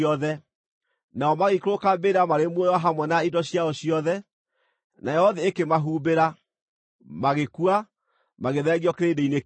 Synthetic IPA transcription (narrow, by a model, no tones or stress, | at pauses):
ɔðɛ | naɔmaɣekoɾokabeɾamaɾemwojwaɦamwɛnaidɔɕiaɔɕiɔðɛ | najɔɔðɛekemaɦuːbeɾa | maɣekua | maɣeðɛːɣiɔkeɾedeine